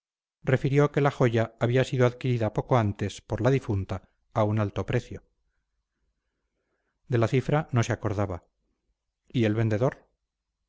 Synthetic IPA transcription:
re̞fiɾjoke̞laxo̞ʝaːβiasiðoaðkiɾiðapo̞ko̞ant̪e̞spo̞ɾlaðifunt̪aː | unalt̪o̞pɾe̞θjo̞ | d̪e̞laθifɾano̞se̞ako̞ɾðaβa | ie̞lβe̞nd̪e̞ðo̞ɾ

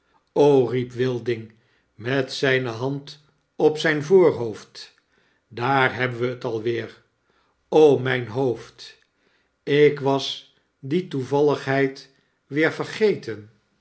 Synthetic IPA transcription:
owripʋɪlˠdɪŋ | mɛtsɛjnəɦɑnt | ɔpsɛjnvoːɹɦowft | daːɹɦɛbənʋəːtɑlˠʋɪːɹ | owmɛjnɦowft | ɪkʋɑs | dituvɑləχɦɛjt | ʋɪːɹvəɹχejtən

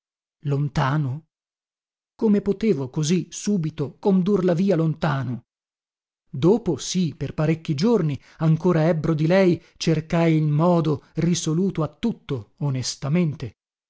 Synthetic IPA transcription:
lont̪aːno | komepot̪eːvokozisuːbit̪okond̪urlaviːalont̪aːno | d̪oːposiperpaɾekːid͡ʒorni | aŋkoːɾaɛbːɾod̪ilɛj | t͡ʃerkajilmɔːd̪orisoluːt̪oat̪ːut̪ːoːnest̪ament̪e

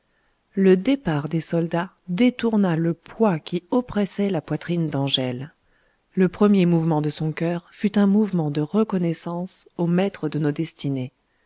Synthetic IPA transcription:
ləd̪epaʁd̪esɔld̪a | d̪et̪uʁnaləpwakʲiɔpχɛsɛlapwat̪χind̪ɑ̃ʒɛlː | əpχəmjemuvmɑ̃d̪əsɔ̃kʲœʁfyt̪ɛ̃muvmɑ̃d̪əʁəkɔnɛsɑ̃somɛt̪χəd̪ənod̪ɛst̪ine

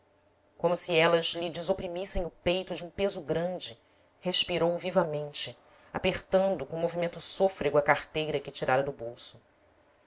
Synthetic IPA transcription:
kõmʊsiɛlɐzlid͡ʒɪzopɾimisẽj̃ʊpejt̪ʊd͡ʒɪũpezʊɡɾɐ̃d͡ʒɪ | heʃpiɾowvivɐmẽnt͡ʃɪ | apeχt̪ɐ̃nd̪ʊkõmovimẽnt̪ʊsofɾeɡʊɐkaχt̪ejɾɐkɪt͡ʃiɾaɾɐd̪ʊbowsʊ̥

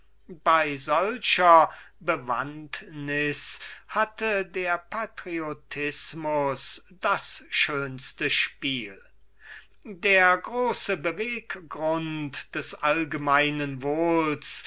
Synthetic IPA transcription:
b̥aɪzɔlʃɐbəva̰ntnɪshatədeːɐpʰatʁiotʰɪsmʊsd̥asʃøːnstəʃpiːl | deːɐɡʁoːsəbəveːkɡʁʊntd̥ɛsʔalɡəmaɪnənvoːls

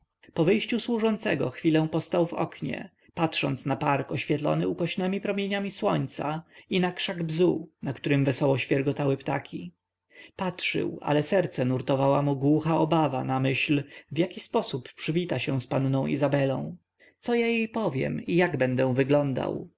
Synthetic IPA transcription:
pɔvɘjɕt͡ɕuswuʐɔnt̪sɛɡɔ̰xfʲilɛw̃pɔst̪awvɔ̰kɲɛ̰ | patʂɔnt̪snapaɾkɔɕfʲjɛt̪lɔ̰nɘukɔɕnɛmʲipɾɔmʲjeɲamʲiswɔ̰ɲt̪sa̰inakʂaɡbzunakt̪uɾɘmvɛsɔwɔɕfʲjɛɾɡɔt̪awɘpt̪akʲʰi | patʂɘ̰wa̰lɛsɛɾt̪sɛnuɾt̪ɔvawamuɡwuxaɔbava̰namɘɕlvjakʲispɔsupːʂɘvʲit̪aɕɛw̃spanːɔ̃w̃ḭzabɛlɔ̰̃w̃ | t̪sɔjajejpɔvʲjɛ̰mijaɡbɛnd̪ɛ̃vɘɡlɔnd̪a̰w

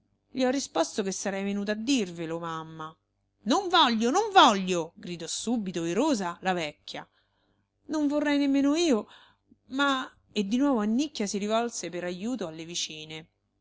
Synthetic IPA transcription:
ʎiɔrːispost̪ok̟esːaɾɛjvenuːt̪̬aad̪ːirvelomamːa | noɱvɔʎːonoɱvɔʎːoɡɾid̪ɔsubit̪oiɾoːzalavɛkːja̰ | noɱvorːɛjnemːeːnoiːo | ma | ed̪ːinwɔːvoanːikːjasiɾivɔlsepeɾajuːt̪oalːevit͡ʃiːne

